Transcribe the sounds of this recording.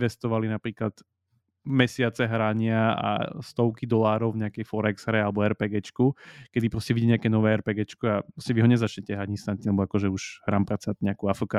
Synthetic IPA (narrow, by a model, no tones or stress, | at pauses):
ʋɛst̪ɔʋalinapɾiːklat̪ | mɛsɪat͡sɛɦɾaɲɪaa̰st̪ɔʊkid̪ɔlaːɾɔʊvɲɛakɛjfɔɾɛɡz̥ɦɾɛalɛbɔɛɾpɛːɡɛt͡ʃkukɛd̪ipɾɔscɛʋiɟɛɲɛakɛːnɔʋɛːɛɾpɛːɡɛt͡ʃkuapɾɔscɛʋiɦɔɲɛzat͡ʃɲɛcɛɦɾaɟĩst̪anɲilɛbɔakɔʒɛuʒ̥ɦɾaːmpɾat͡saat̪ɲɛakuafəka